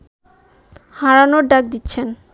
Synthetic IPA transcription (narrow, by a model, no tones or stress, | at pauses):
haɾanoɾɖak̚d̪itːɕʰen